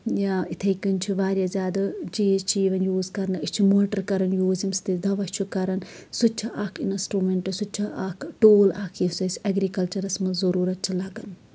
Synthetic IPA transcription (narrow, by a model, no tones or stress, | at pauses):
jait̪ʰɐjkɨnʲt͡ʃʰiʋaːɾʲjazʲaːd̪ɐd͡ʒiːzt͡ʃʰiːʋɐnjuːzkɐɾnɨit͡ʃʰimoːʈɐɾkɐɾɐnjuːzimst̪id̪ɐʋɐsʲt͡ʃʰukɐɾɐnsut͡ʃʰiʔaːkʰinsʈɾumeɳʈɨsut͡ʃʰiʔaːkʰʈoːlaːkʰjisɐsʲɐɡɾikɐlt͡ʃɐɾɐsmɐzɐɾuːɾɐt̪̚t͡ʃʰilɐɡɐn